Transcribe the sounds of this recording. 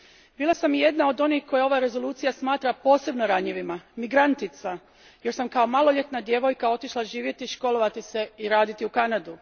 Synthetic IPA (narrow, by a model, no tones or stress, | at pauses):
biːlˠasamje̞d̪nao̞d̪o̞nihko̞jao̞ʋaɾe̞zo̞luːt̪sijasmaːt̪ɾapo̞ːse̞bnoɾaɲeʋimamiɡɾant̪it̪sa | je̞ɾsamkao̞malˠoʎe̞t̪nad̪je̞ʋo̞jkao̞t̪iʃlˠaʒiːʋjet̪iʃko̞lo̞ʋat̪ise̞iɾaːd̪it̪iukanad̪u